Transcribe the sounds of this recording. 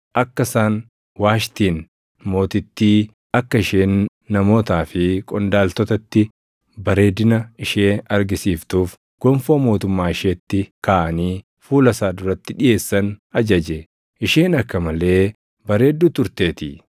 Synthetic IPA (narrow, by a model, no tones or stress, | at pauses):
ʔɐkːɐsaːn | waːʃt̪iːn | mo̞ːt̪ɪt̪ːiː | ɐkːɐɪʃeːnː | ɐmo̞ːt̪aːfɪkʼɔnd̪aːlt̪ɔt̪ɐt̪ːɪ | bɐɾe̞ːd̪ɪnɐɪʃeːɐɾɡɪsiːft̪uːf | ɡ̥ɔmfoːmo̞ːt̪ʊmːaːɪʃeːt̪ːɪkaːʔɐniː | fuːlɐsaːd̪ʊɾɐt̪ːɪᶑɪje̞ːsːɐnɐd͡ʒɐd͡ʒɛ | ʔɪʃeːnɐkːɐmɐle̞ː | bɐɾe̞ːd̪ːuːt̪ʊɾt̪e̞ːt̪ɪ